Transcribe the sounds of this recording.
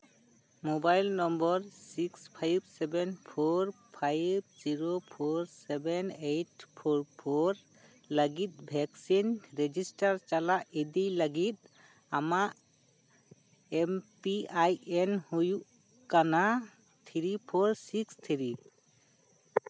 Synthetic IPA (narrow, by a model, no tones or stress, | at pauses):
mobajlnɔmbɔɾsikspʰajbsɛbɛnpʰoɾ | pʰajb̚d͡ʒiɾopʰoɾsɛbɛnejʈpʰoɾpʰoɾ | ləɡit̪̚ˀbʱɛksinɾed͡ʒisʈaɾt͡ʃalaʔid̪ijləɡit̪̚ | amaʔ | empiajenhujuʔ | kana | t̪ʰiɾipʰoɾsikst̪ʰiɾi